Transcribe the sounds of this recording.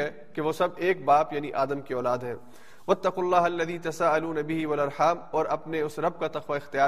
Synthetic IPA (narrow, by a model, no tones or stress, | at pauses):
ɛ | keʋoːsɐb̚eːk̚baːpjaːniʔaːd̪əmkiɔːlaːd̪ɦɛ̰ː | ʋɐt̪ːɐqʊlːaːɦɐlːɐðiːt̪ɐsaːɐluːnɐbɪɦiʋɐlɐɾħaːmɔːɾɐpneʊsɾɐb̚kat̪ɐqʋaɪxt̪ɪjaː